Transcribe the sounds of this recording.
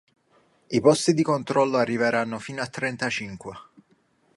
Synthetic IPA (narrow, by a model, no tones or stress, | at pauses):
ipɔst̪id̪ikont̪ɾɔlːoarːiveɾanːofiːnoat̪ːɾɛnt̪at͡ʃiŋkwe